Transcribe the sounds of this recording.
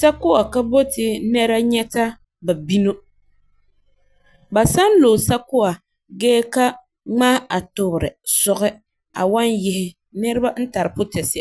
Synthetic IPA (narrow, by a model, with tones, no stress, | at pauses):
sa˦kʊ˦wa˨ka˦bo˦tɪ˨nɛ˦ɾa˦ɲɛ˦ta˦ | ba˨bi˦no˦ | ba˨sa˦n˦lo˨sa˦kʊ˦a˨ | ɡɛː˦ka˦ | ŋ͡maː˦a˨tʊ˨bɾɪ̰˨sʊ˦ɣɪ˦ | a̰˨wa˦njɪ˨hɪ˨ | nɛ˦ɾɪ˦ba˦n̩˦ta˨ɾɨ˨pʊ˦tɛ˨sɪ˦˨